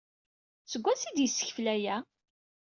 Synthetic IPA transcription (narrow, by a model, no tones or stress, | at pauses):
t͡səɡʷːæsid̪jəsːə̥çflæjæ